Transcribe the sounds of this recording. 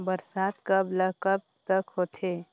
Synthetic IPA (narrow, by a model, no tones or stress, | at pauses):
bəɾsaːt̪kəbləkəb̚t̪əkɦot̪ʰeː